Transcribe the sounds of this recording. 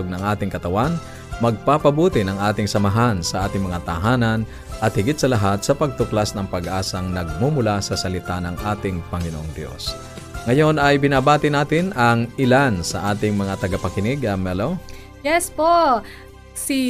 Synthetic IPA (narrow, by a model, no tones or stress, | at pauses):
oɡ̚nɐŋʔaːt̪ɪŋkɐt̪ɐwan | mɐɡ̚papɐbuːt̪ɪnɐŋʔaːt̪ɪŋsɐmɐɦansɐʔaːt̪ɪŋmɐŋat̪ɐɦaːnɐn | ʔɐt̪̚hɪɡɪt̪̚sɐlɐɦat̪̚sɐpɐɡ̚t̪ʊklasnɐŋpɐɡʔaːsɐŋnɐɡ̚mumʊlasɐsɐlɪt̪anɐŋʔaːt̪ɪŋpɐŋɪnoʔoŋd̪jo̞̰s | ŋɐjo̞nʔɐjbɪnaːbaːt̪ɪnaːt̪ɪnɐŋɪlansɐʔaːt̪ɪŋmɐŋat̪ɐɡapɐkɪnɪɡɐmɛlo | jɛspo | si